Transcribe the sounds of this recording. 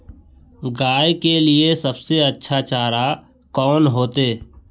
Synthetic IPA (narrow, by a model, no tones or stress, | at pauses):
ɡaːjkeliesɐbseɐtːʃʰat͡ʃaːɾa | kɔːnɦoːt̪eː